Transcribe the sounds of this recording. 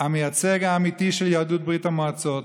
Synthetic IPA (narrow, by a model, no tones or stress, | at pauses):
hamejat͡seɡaːmit̪iʃeljaːdut̪̚bʁitamoat͡sot